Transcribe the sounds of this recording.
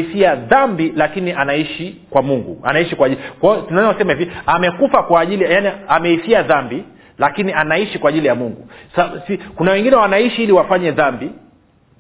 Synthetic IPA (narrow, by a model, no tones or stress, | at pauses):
fiaðambilakiniʔanaiʃikwamuŋɡṵa̰naiʃikwaʄikwatunansɛmɛviamɛkufakwaːʄilijaniamɛifiaðambi | lakinianaiʃikwaːʄilijamuŋɡusasikunawɛŋɡinɛwanaiʃiiliwafaɲɛðambi